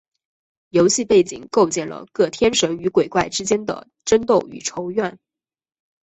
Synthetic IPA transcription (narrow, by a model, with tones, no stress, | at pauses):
jo˧˥ʊɕi˥˧pe˥˩ɪt͡ɕḭ˨˩ŋko˥˧ʊt͡ɕjɛ˥˩nlə̰˩kɤ˥˩t̪ʰjɛ˥nʂə˧˥ŋy˧˥kwe˨˩ɪkwa˥˩ɪʈ͡ʂɻ̩˥t͡ɕjɛ˥nd̪ə̰˨ | ʈ͡ʂə˥nt̪o˥˩ʊy̰˨˩ʈ͡ʂʰo˧˥ʊɥɛ˥˩n